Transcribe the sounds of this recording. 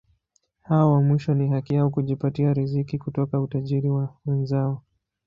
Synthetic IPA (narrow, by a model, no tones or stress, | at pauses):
hawɔwamwiʃɔniɦakijaukuʄipatiaɾizikikutɔkautaʄiɾiwawɛnzaɔ